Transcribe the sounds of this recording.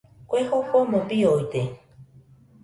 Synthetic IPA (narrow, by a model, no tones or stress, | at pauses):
kʷehopomõpiojt̪e